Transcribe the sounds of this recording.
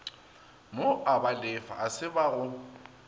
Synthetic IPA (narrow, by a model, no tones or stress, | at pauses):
moʔabalɪfa̰ʔasɪbaɣʊ